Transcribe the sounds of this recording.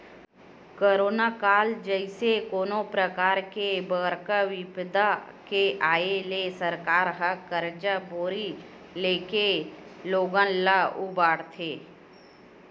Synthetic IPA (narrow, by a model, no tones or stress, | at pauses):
koɾoːnakaːld͡ʒəɪsekoːnõpɾəkaːɾkebəɾkəʋɪbd̪a | keʔaːelesəɾkaːɾɦəkəɾd͡ʒaboːɾi | leːkeloːɡə̃nlaubaːɽt̪ʰeː